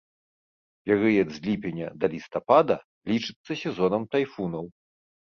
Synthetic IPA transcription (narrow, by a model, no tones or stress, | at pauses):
pʲɛɾɨjɛd̪zʲlʲipʲɛnʲɐd̪ɐlʲist̪apad̪ɐ | lʲit͡ʂɨt̪sːɐsʲɛzɔnɐmt̪ajfunɐw